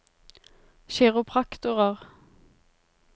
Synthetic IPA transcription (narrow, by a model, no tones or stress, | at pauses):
ʃeːʁʊpʰʁɑkt̪ʊʁəʁ